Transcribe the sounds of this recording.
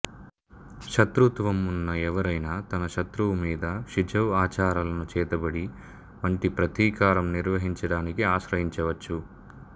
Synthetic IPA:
ʃɐt̪ɾut̪ʋɐmunːɐɛʋɐɾɐjnaːt̪ɐnɐʃɐt̪ɾuʋmiːd̪ɐʃid͡ʒʱɐwaːt͡ʃaːɾɐlɐnut͡ʃɛːt̪ɐbɐɽi | ʋɐɳʈipɾɐt̪iːkaːɾɐmniɾʋɐɦiɲt͡ʃɐɽaːnikiaːʃɾɐɦiɲt͡ʃɐʋɐt͡ʃːu

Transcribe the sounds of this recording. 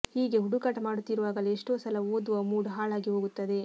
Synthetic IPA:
hiːɡeɦuɽukɐʈmaːɽut̪ːiɾuʋaːɡɐleeʂʈoːsɐlɐoːd̪uʋɐmuːɽɦaːɭaːɡiɦoːɡut̪ːɐd̪e̞

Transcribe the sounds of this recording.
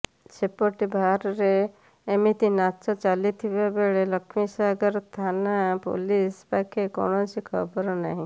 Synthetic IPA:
t͡ʃepoʈibʱaɾɾeː | mit̪inat͡ʃɔt͡ʃalit̪ʰibebeɭeləkʰmisaɡəɾt̪ʰanapo̰lispakʰeko̰ñɔt͡ʃʰikʰɔbɔɾɔnaɦĩ

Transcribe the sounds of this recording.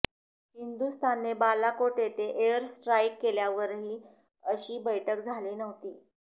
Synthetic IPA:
hind̪ust̪anːebalakoʈet̪eʔeəɾsʈɾajkːeljaʋəɾɦiː | əɕiːbəjʈʰək̚d͡zʱaliːnəʋt̪iː

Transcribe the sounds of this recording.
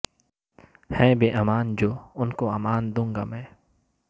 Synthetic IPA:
hɛ̃ːbeːʔɐmaːnd͡ʒoːʊnkoaːmaːnd̪ũːŋɡaːmɛ̃ː

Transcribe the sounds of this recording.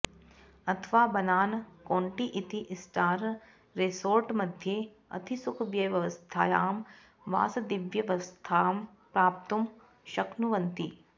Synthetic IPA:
ɐt̪ʰʋaːbɐnaːnkoːɳʈiʔit̪iʔsʈaːɾ | ɾesoːɾʈmɐd̪ʱjeː | ɐ̰t̪ʰisukʰʋjɐjʋɐʋɐst̪ʰa̰ːjaːm | ʋa̰ːsɐd̪iʋjɐʋɐst̪ʰaːm | pɾaːp̚t̪um | ʃɐknuʋɐnt̪i

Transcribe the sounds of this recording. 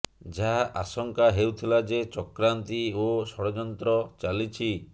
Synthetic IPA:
d͡ʒaɦaʔasɔŋkaɦewt̪ʰilad͡ʒet͡ʃɔkɾant̪iosɔɽɔd͡ʒɔnt̪ɾɔt͡ʃalit͡ʃʰi

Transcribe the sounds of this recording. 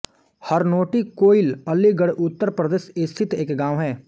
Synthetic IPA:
həɾnoːʈikoːɪləlːiɡəɽʔʊt̪ːəɾpɾəd̪eːʃest̪ʰɪt̪eːkɡãːʋɦɛː

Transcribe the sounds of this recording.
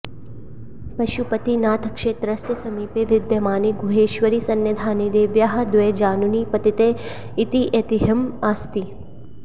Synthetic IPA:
pɐʃupɐt̪inaːt̪ʰɐkʃeːt̪ɾɐsjɐsɐmiːpeːʋɪd̪jɐmaːniɡʱuɦeːʃʋɐɾisɐnjɐd̪ʱaːnid̪eːʋjaɦɐ̆d̪ʋed͡ʒaːnuniːpɐt̪it̪eː | it̪iʔet̪iɦɐmaːst̪i

